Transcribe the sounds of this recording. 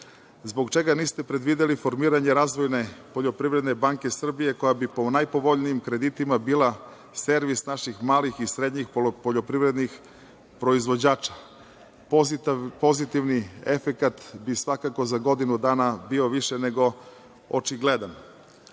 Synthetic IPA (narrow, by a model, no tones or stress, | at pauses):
zboɡt͡ʃe̞ɡaniːst̪e̞pɾed̪ʋiːd̪elifo̞ɾmiːɾaɲe̞ɾaːzʋo̞jne̞po̞ʎo̞pɾiʋɾe̞d̪ne̞baŋke̞sr̩bije̞ko̞jabipo̞najpo̞ʋo̞ʎniimkɾe̞d̪it̪imabiːla | se̞ɾʋisnaʃixmaːlixisɾe̞d̪ɲixppoʎo̞pɾiʋɾe̞d̪nix | pɾo̞izʋo̞d͡ʑaːt͡ʃḁ | po̞zit̪iʋniefekat̪bisʋakako̞zaɡo̞d̪inud̪aːnabioʋiʃene̞ɡo̞ | ot͡ʃiɡle̞d̪an